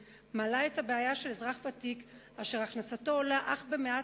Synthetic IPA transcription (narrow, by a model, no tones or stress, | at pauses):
malaethabeajaʃe̞lezʁaχvatik | aʃeʁaχnasato̞laʔaχbe̞mea